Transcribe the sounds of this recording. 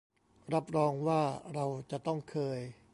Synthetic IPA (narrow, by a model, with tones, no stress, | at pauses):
ɾa˦˥p̚ɾɔː˧ŋwaː˥˩ɾa˧wt͡ɕa˨˩ʔt̪ɔ˥˩ŋkʰɤː˧j